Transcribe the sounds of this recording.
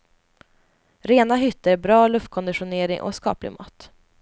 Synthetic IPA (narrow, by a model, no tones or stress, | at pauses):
ɾeːnaɦʏt̪ːəɾbɾɑːlɵft̪̚kʰɔnd̪ɪɧʊneːɾɪŋʔɔ̰skɑ̰ːplɪ̰ɡmɑ̰ːt̪